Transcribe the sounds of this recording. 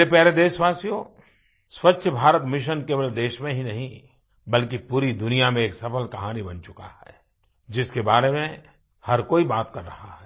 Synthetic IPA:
epɛɦɾed̪eːʃʋaːsijõ | swɐtːʃʰəbʱaːɾət̪mɪʃ̬ənkeːbəld̪eːʃmẽɦinɐɦĩ | bɐlkipuːɾid̪ʊnijamẽeːksɐpəlkɐɦaːnibɐnt͡ʃʊka̰hɛ̰ː | d͡ʒɪskebaːɾemẽ | hɐɾkoːibaːt̪kɐɾːɐ̰haɦɛː

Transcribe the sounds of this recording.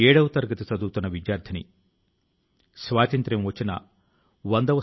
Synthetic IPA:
ɛːɽɐʋɐt̪ɐɾɡɐt̪it͡ʃɐd̪uːt̪unːɐʋid͡ʒjaːɾd̪ʰʱɐnḭ | sʋaːt̪ɐnt̪ɾɐmʋɐt͡ʃːinɐ̰ | ʋɐnd̪ɐʋɐ

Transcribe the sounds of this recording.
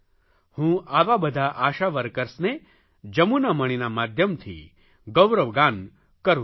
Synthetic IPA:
hũːaːʋabɐd̪ʱaʔaːʃaʋɐɾkəɾsne | d͡ʒɐmunamɐɽ̃inamaːd̪ʱjəmt̪ʰḭ | ɡɐwɾɐʋɡaːn | kɐɾũ

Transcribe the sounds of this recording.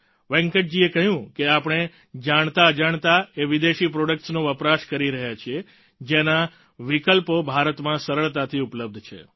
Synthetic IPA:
ʋɛ̃ŋkəʈ̚d͡ʒiekəɦjũkeapɳ̃e | d͡ʒaɳ̃t̪aəd͡ʒaɳ̃t̪aeʋid̪eʃipɾoɖək̚ʈsnõʋəpɾaʃkəɾiɾəɦjat͡ʃʰie | d͡ʒena | ʋikəlpobʱaɾət̪mãsəɾəɭt̪at̪ʰiupləb̚d̪ʱt͡ʃʰḛ

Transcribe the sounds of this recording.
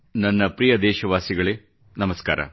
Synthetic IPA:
nɐnːɐpɾijɐd̪ɛːʃɐʋaːsiɡɐɭeː | nɐmɐska̰ːɾɐ̰

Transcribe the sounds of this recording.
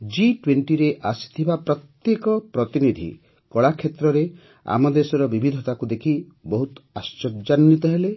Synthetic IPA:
d͡ʒiʈweɳʈiɾeʔasi̥t̪ʰibapɾɔt̪jekɔpɾɔt̪inid̪ʱḭ | kɔɭakʰːet̪ɾɔɾe | a̰mɔd̪esɔɾɔbibʱid̪ʱɔt̪akud̪ekʰi | bɔɦut̪ast͡ʃɔd͡ʒanːit̪ɔɦele

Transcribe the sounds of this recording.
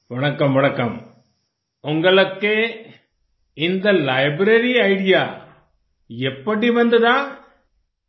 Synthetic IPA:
ʋɐɳɐkːɐmʋɐɳɐkːɐm | ʊŋɡɐɭɯkːe | ɪnd̪ɐlɐɪbɾɐɾiɐɪɽɪjaː | ɛpːɐɽiʋɐnd̪ɐðaː

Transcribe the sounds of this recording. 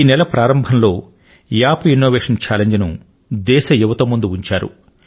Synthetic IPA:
iːnɛlɐpɾaːɾɐmbʱɐnlo̞ː | jaːpinːoːʋeːʂɐnt͡ʃaːleɲd͡ʒnu | d̪ɛːʃɐjuʋɐt̪ɐmːund̪uuɲt͡ʃaːɾṵ

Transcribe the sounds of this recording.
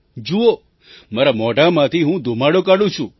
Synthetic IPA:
d͡ʒuo | maɾamɔʈamãt̪ʰiɦũd̪ʱomaɽokaɽũt͡ʃʰũ

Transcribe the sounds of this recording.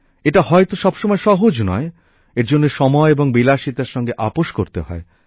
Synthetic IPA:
eʈahɔet̪oʃɔbʃomɔeʃɔɦod͡ʑnɔ̰e | eɾd͡ʑonːeʃɔmɔeeboŋbilaʃit̪aɾʃɔŋɡeʔapoʃkoɾt̪eɦɔ̰e

